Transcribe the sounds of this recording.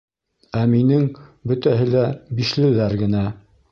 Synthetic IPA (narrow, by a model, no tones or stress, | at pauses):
æminɘŋbɵt̪æɦɘlæbiʃlɘ̆ðæɾɡɘ̆næ